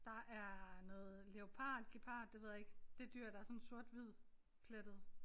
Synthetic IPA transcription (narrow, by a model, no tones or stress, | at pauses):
d̥ɑ̈ʔæɐnɔ̽ːð̩ˠleo̝pʰɑ̰̈ːd̥ɡ̥ipʰɑ̰̈ːd̥ːe̝ʋe̝ð̰ˠeɡ̥d̥e̝d̥yɐ̰ɾ̥ɑ̈æɐsɔ̽nso̝ɐd̥ʋið̰ˠ | kʰled̥ð̩ˠ